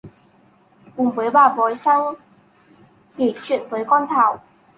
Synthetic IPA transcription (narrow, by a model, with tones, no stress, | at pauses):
kʊ˨˩ŋ͡mvəː˨˦jɓaː˨˩vɔ˨˩jsa˧w | ke˨˩t͡ɕʰwḭ˧˨ənvəː˨˦jkɔ˧nt̪ʰaː˧˩w